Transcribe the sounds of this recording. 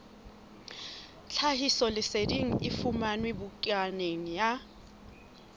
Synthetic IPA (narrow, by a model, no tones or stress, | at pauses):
t͡ɬʰaɦisɔlɪsediŋ̩ɪfumanwebʊkʼaneŋ̩ja